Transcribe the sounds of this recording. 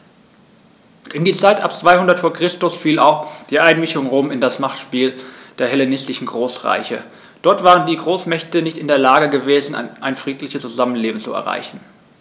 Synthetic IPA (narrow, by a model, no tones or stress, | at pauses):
ʔɪndiːt͡saɪtʔa̰pt͡sv̥aɪhʊndɐtfoːɐkʁ̥ɪstʊsfiːla̰ʊxd̥iːʔaɪnmɪçʊŋʁoːmɪndasmaχtʃpiːld̥eːɐhɛlenɪstɪçn̩ɡʁoːsʁa̰ɪçə̰ | d̥ɔɐtv̥aːʁ̞əndiːɡʁoːsmɛçtənɪçtɪndeːɐlaːɡəɡəveːzn̩̰ʔaɪnfʁ̥iːtlɪçəst͡suzamənleːbm̩t͡suɛ̰ɐʁa̰ɪçn̩